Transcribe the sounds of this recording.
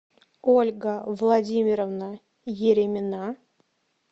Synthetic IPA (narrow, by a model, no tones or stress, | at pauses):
olʲɡəvlˠadʲimʲɪɾəvnə | jeɾʲemʲɪna